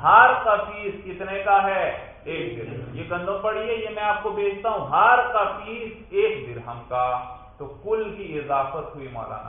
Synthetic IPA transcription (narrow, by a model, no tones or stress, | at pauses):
ɦaːɾkafiːskɪt̪nekaɦɛ | eːkd̪ɪɾjeɡɐ̃nd̪ʱõpɐɽ̤iejemɛ̃aːp̚kobeːd͡ʒʰʱt̪aɦũɦaːɾkafiːseːk̚d̪ɪɾɦɐmka | t̪okʊlkiɪzaːfət̪ɦʊimɔ̰ːla̰ːna̰